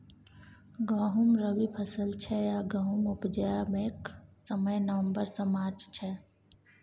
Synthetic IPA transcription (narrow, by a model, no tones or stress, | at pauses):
ɡəɦumɾəbipʰəsəlt͡ʃʰɛjaɡəɦumʊpd͡ʒəjameksəməjnəʋə̃mbəɾsəmaːɾt͡ʃt͡ʃʰɛ